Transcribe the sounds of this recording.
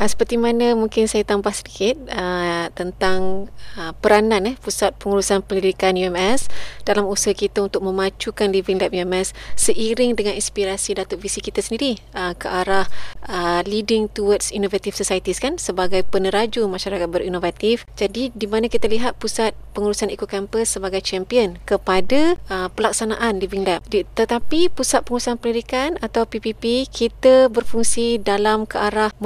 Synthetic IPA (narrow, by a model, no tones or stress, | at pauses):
əsə̥pərt̪imanə̃muŋkɪnsajat̪ambahsədikɪt̪̚ət̪ənt̪aŋəpəɾanãnɛhpusat̪̚pəŋuɾusanpəndidikanjuɛmɛsd̥alamusəɦakit̪aunt̪ʊk̚mə̃mat͡ʃukanlivɪŋlap̚juɛmɛsːəʔiɾɪŋdəŋaninspiɾasidat̪oʔ̚visikit̪asəndiɾi | əkəʔaɾahəlidɪŋt̪uwadsinovat̪ifsosajit̪iskansəbaɡajpənəɾad͡ʒumaʃaɾakat̪̚bəɾinovat̪ifd͡ʒadidimãnakit̪aliɦat̪̚pusat̪̚pəŋuɾusanikukɛmpəsːəbaɡajt͡ʃɛmpiənkəpadaʔəpəlak̚sanaʔanliviŋlɛp̚dt̪ət̪apipusat̪̚pəŋuɾusanpəlidikanat̪awpipipikʰit̪abərfuŋsidalamkəʔaɾah